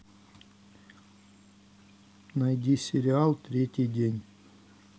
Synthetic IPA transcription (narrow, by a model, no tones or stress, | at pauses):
nɐjdʲisʲɪɾʲɪalˠt̪ɾʲetʲɪjdʲenʲ